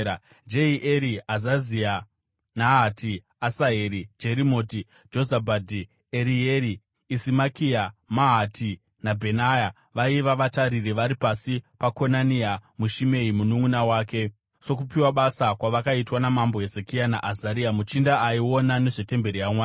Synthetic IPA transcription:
d͡ʒe̞iʔeɾiazazia | naɦatiː | saɦeɾid͡ʒe̞ɾimo̞ːti | d͡ʒo̞zabʱadʱi | eɾijeɾiː | simakiamaɦatʰi | nabʱe̞naja | ʋaiʋaʋataɾireʋaɾipasipako̞nanijamuʃime̞imunuŋunawaːke̞ | so̞k̬upiwaɓasakwaʋakaitwanamambo̞ɦe̞zekianaʔazaɾijamut͡ʃindaaiwo̞nane̞ʐe̞te̞mbe̞ɾijamwaː

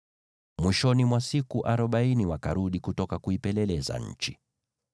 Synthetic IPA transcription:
mwiʃɔnimwasikuʔaɾɔɓainiwaka̰ɾuɗikutɔkakuipɛlɛlɛza̰ɲ̩̰t͡ʃi

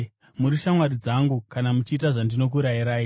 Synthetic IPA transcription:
muɾiʃamwaɾid͡zaŋɡukanamut͡ʃiːtaʐandino̞k̬uɾaiɾaːi

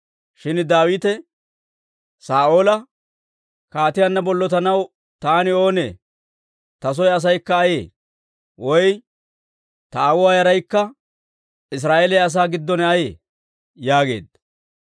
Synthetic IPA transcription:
ʃɪnd̪aːwɪːt̪ɛ | saːʔo̞ːlɐ | kaːt̪ɪjɐnːɐbɔlːɔt̪ɐnɐw | t̪aːnɪo̞ːnḛː | t̪ɐs̬ɔjɐs̬ɐjkːɐːjḛː | wɔj | t̪ɐaːwʊwaːjɐɾɐjkːɐ | ɪs̬ɾaːʔelɛjɐs̬aːɡɪd̪ːɔnɛɐjḛː | jaːɡe̞̰ːd̪ɐ

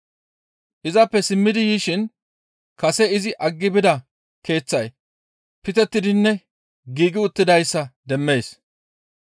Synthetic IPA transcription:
ʔɪzɐpːɛsɪmːɪd̪ɪjiːʃɪn | kɐsɛɪzɪʔɐɡːɪbɪd̪ɐ | ke̞ːt͡sːɐj | pɪt̪ɛt̪ːɪd̪ɪnːɛ | ɡiːɡɪʊt̪ːɪd̪ɐjsːɐd̪ɛmːe̞ːs

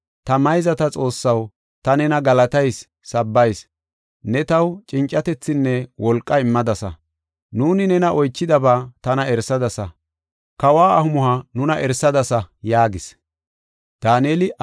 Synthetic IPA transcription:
t̪ɐmɐjzɐt̪ɐt͡sʼo̞ːsːɐw | t̪ɐnɛnɐɡɐlɐt̪ɐjsː | ɐbːɐjs | nɛt̪ɐwt͡ʃʼɪnt͡ʃʼːɐt̪ɛt͡sːɪnːɛwʔɔlkʼːɐɪmːɐd̪ɐsɐ̰ | nuːnɪnɛnɐʔɔjt͡ʃːɪd̪ɐbaːt̪ɐnɐɛɾsɐd̪ɐsɐ | kɐwaːɐhʊmʊhɐnʊnɐʔɛɾsɐd̪ɐsɐjaːɡɪs | d̪̥aːneːlɪ

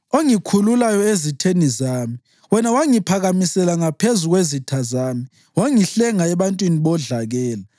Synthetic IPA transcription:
oŋikʰululajɔezitʰenizaːmi | wɛnawaŋipʰaɣamisɛlaŋapʰezuɣwezitʰazaːmi | waŋiɬɛŋaɛβantʼwiniβɔɮaɣɛːla

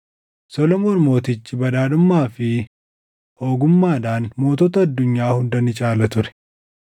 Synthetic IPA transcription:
sɔlɔmoːnmo̞ːt̪ɪt͡ʃːɪbɐd̪aːd̪ʊmːaːfɪ | ho̞ːɡʊmːaːd̪aːnmo̞ːt̪ɔːt̪ɐɐd̪ːʊɲːaːhʊnd̪ɐnɪt͡ʃʼaːlɐt̪ʊɾɛ̥

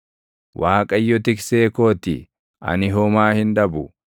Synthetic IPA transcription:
wʔaːkʼɐjːɔt̪ɪkse̞ːko̞ːt̪ɪ | ʔɐ̰nɪɦɔmaːhɪnᶑɐbʊ

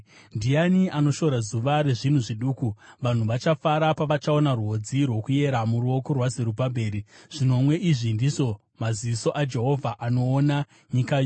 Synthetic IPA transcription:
ndijaniʔano̞ʃo̞ɾazuʋaɾe̞ʐin̤uʐiɗuːkuʋan̤uʋat͡ʃafaɾapaʋat͡ʃao̞narwo̞d͡zirwo̞kuje̞ɾamuɾuokorwazeɾupabʱe̞ːɾiʐ̥ino̞mwe̞ʔiʐindiʐo̞ | maziʋiso̞ʔad͡ʒe̞ɦo̞vʱaʔano̞ːna | ɲikajo

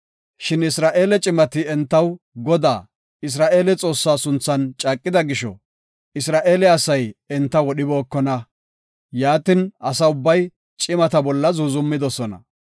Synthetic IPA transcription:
ʃɪnɪsɾaːʔe̞ːlɛt͡ʃʼɪmɐt̪ɪɛnt̪ːɐw | ɡɔd̪a̰ː | ɪs̬ɾaːʔe̞ːlɛt͡sʼo̞ːsːaːsʊnt͡sːɐnt͡ʃʼaːkʼːɪd̪ɐɡɪʃɔ̰ | ɪsɾaːʔe̞ːlɛɐsɐjɛnt̪ːɐwɔɗɪbo̞ːkːɔnɐ | jaːt̪ɪnɐsɐʊbːɐj | t͡ʃʼɪmɐt̪ɐbɔlːɐzuːzʊmːɪd̪ɔsɔnɐ̰

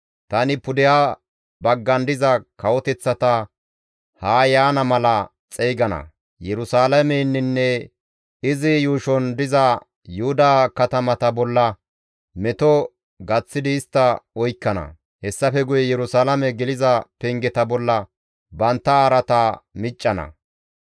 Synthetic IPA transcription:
t̪ɐnɪpʊd̪ɪja | bɐɡːɐnd̪ɪzɐkɐwɔt̪ɛt͡sːɐt̪ɐ | haːjaːnɐmɐlɐ | t͡sʼɛjɡɐnɐ̰ | jɛɾʊsaːlɐmɛnːɪnːɛ | ɪzɪjuːʃɔnd̪ɪzɐ | jʊhʊd̪aːkɐt̪ɐmɐt̪ɐbɔlːɐ | mɛt̪ɔ | ɡɐt͡sːɪd̪ɪːst̪ːɐɔjkːɐnɐ̰ | hɛsːɐfɛɡʊjɛjɛɾʊsaːlɐmɛɡɛlɪzɐpɛŋɡɛt̪ɐbɔlːɐ | bɐnt̪ːɐaːɾɐt̪amɪt͡ʃʼːɐnɐ̰

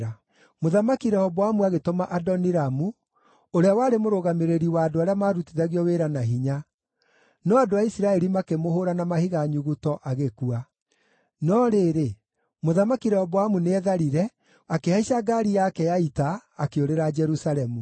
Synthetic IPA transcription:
a | moðamakiɾɛhɔβɔwamuaɣetomaʔadɔniɾamu | oɾeawaːɾemoɾoɣameɾeɾiwaːdoaɾeamaɾutiðaɣiɔweɾanaɦiɲa | nɔadoaisiɾaɛɾimakemohoɾanamahiɣaɲuɣutɔʔaɣekua | nɔɾeːɾe | moðamakiɾɛhɔβɔwamuneɛðaɾiɾɛ | akehaiʃaɡaɾijakɛjaitaːkeoɾeɾad͡ʒɛɾusalɛmu

